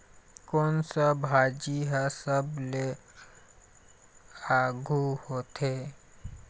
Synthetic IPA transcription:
kɔːnsabʱaːd͡ʒiɦɛsəble | aːɡʱuhot̪e

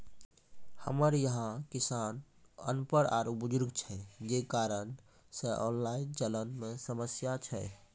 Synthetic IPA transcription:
həməɾjəɦãkisanə̰npəɾa̰ɾubud͡ʒʊɾɡt͡ʃʰɛd͡ʒekaɾən | seʔɔnlaint͡ʃələnmesəməsjat͡ʃʰɛ

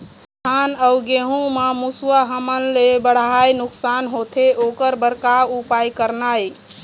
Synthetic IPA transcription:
t̪ʰanəʊɡeɦũməmusuwaɦəmənlebəɽ̤ɦajnuksanɦot̪ʰeʔokəɾbəɾkaupajkəɾnaj

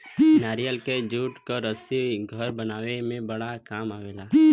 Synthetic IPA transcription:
naːɾijəlked͡ʒuːʈkoɾəsiɡʱəɾbənaːʋemẽbəɽakaːmaːʋeːlaː

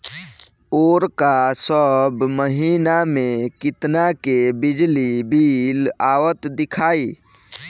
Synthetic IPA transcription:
oɾkasəbməɦinamekit̪nakebid͡ʒlibilawət̪d̪ikʰai

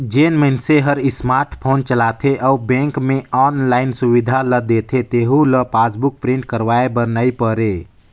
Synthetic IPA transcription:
d͡ʒeːnmənseɦəɾɪsmaːɾʈʰpʰoːnt͡ʃəlat̪ʰeʔɔubẽːŋkmẽɔːnlaːɪnsuʋid̪ʱaləd̪et̪ʰet̪eɦuləpaːsbʊk̚pɾĩɳʈkəɾʋaːebəɾnaipəɾe

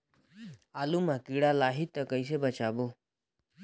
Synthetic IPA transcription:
aːlumakiɽalaːɦit̪ːəkəis̬ebət͡ʃaːboː

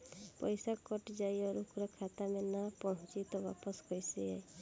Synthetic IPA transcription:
pɔjsakɔʈd͡ʒajɔɾukʰɾɔkʰat̪amenapɔɦt͡ʃit̪ɔba̰pɔskɔjsiaj

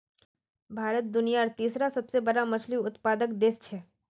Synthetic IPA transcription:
bʱaːɾət̪̚d̪ʊnijaəɾt̪iːsɾasɐbsebɐɾamɐt͡ʃliʊt̪paːd̪əkd̪eːst͡ʃʰɛː

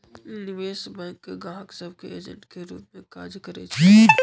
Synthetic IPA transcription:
nɪʋeːsbɛ̃ːŋkɡãːɦksəbkeeːd͡ʒə̰̃ɳʈkeɾṵːp̚mẽkaːɾzjkɐɾḛt͡ʃʰi

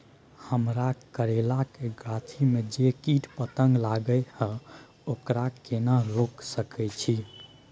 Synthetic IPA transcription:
həmɾakəɾelakeɡat̪ʰimed͡ʒekiʈpət̪əŋɡlaɡəjhə̃ | okɾakenaɾoksəkɛt͡ʃʰi

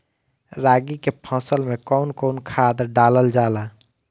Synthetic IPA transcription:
ɾaːɡikepʰɔ̃ːsəlmẽkɔʊnkɔʊnkʰad̪ɾɖaːləld͡ʒaːla

